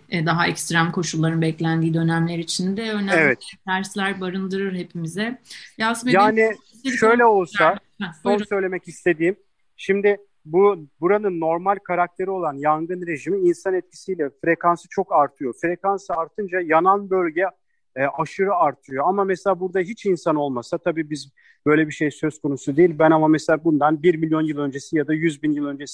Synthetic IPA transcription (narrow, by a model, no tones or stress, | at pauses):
d̪aɦaɛcst̪ɾamkʰo̞ʃulˠːaɾɯnbɛclʲænd̪iːd̪ø̞næmlʲe̞ɾiːt͡ʃʰind̪ɛønæevɛt̪ɛt̪ʰæɾslʲæɾbaɾɯnd̪ɯɾɯɾhe̞pʰimizɛjazmajaːni | eʃø̞jlʲɛo̞lˠsa | onsø̞jlʲe̞mɛcist̪ʰe̞d̪iːm | ʃimd̪ɪ | bubuɾanɯnːo̞ɾmalʲkʰaɾak̚t̪ʰe̞ɾio̞lˠanjaŋɡɯnɾe̞ʒimiinsanɛt̪̚cʰi̥sijlʲɛfɾe̞kansɯ̥t͡ʃʰo̞kaɾt̪ʰɯjo̞fɾe̞kansɯaɾt̪ʰɯnd͡ʒajananbø̞lʲɟɛ | ʔaʃɯɾɯaɾt̪ʰɯɾɯjoamamɛselʲaːbuɾd̪aɦit͡ʃinsano̞lˠmasat̪ʰabiːbiz | b̥ø̞jlʲebiʃe̞jsø̞zkʰo̞nusud̪ejilʲbænamamɛselʲaːbund̪anbiɾmilʲjo̞njɯlˠø̞nd͡ʒe̞sijad̪ajyzbinjɯlˠø̞nd͡ʒe̞si